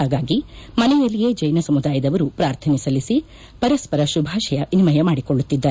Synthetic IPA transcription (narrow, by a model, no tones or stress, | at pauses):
aːɡaːɡimɐnɛjɐlːijeːd͡ʒɐjnɐsɐmud̪aːjɐd̪ɐʋɐɾupɾaːɾt̪ʰɐnisɐlisi | pɐɾɐspɐɾɐʃubʱaːʃɐjɐʔinimɐjɐmaːɽikoɭːut̪ːid̪ːaː